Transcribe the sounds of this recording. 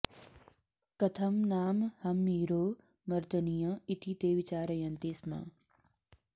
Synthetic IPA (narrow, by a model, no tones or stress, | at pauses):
kɐt̪ʰɐmnaːmhɐmːiːɾoː | mɐɾd̪ɐnijɐ̃it̪ʰit̪eːʋit͡ʃaːɾɐjɐnt̪eːsmã̰ː